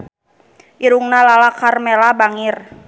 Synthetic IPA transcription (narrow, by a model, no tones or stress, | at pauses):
ʔiɾuŋnalalakarmɛlabaŋir